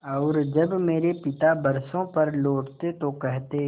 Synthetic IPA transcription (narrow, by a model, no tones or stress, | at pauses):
ɔːɾd͡ʒɐbmeːɾepɪt̪abɐɾsõpɐɾloːʈt̪et̪okɛɦt̪e